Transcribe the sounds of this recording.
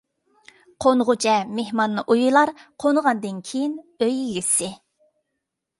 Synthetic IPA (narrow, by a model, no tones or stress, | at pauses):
qʰonʁʊt͡ʃʰɛmehmɑnːɨʔujulˠɑɾqʰonʁɑnd̪ɨnkʲʰejinøjiɡʲɪsɪ